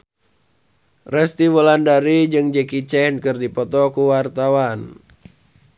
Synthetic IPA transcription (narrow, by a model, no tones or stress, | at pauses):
rɛst̪iwɔlandaɾid͡ʒɨŋd͡ʒɛkit͡ʃɛnkɨrdipɔt̪ɔkuwart̪awan